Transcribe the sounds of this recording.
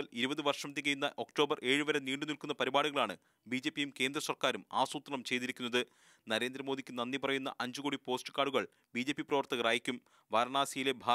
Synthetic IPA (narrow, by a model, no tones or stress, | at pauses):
ɐliɾubɐðɨʋɐrʂɐmt̪̬ːikɐjunːɐʔo̞kʈo̞ːbɐrʔe̞ːɻɨʋɐɾe̞niːɳɖɨnilkunːɐpɐɾibaːɽuɣɐɭaːɳɨ̰ | biːd͡ʑe̞ːpːijumke̞ːnd̪rɐsɐrkaːɾuma̰ːsuːt̪ːɐɳɐmt͡ɕe̞jt̪iɾikʲːunːɐðɨ | nɐɾe̞ːnd̪ɾɐmoːd̪ikʲːɨnɐnːipɐrɐjunːɐ̰ʔɐɲd͡ʑukoːɽipo̞ːsʈɨ̥kːaːɽuɣɐɭ | biːd͡ʑe̞ːpːiprɐʋɐrt̪ɐɣɐraːjikʲːum | ʋaːɾɐɳaːsijile̞bʱaː